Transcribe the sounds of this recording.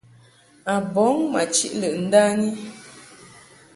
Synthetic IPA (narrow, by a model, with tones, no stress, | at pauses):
a˨bɔ˨˦ŋma˨t͡ʃi˦ʔlə˨ʔn̩˦daː˦ni˦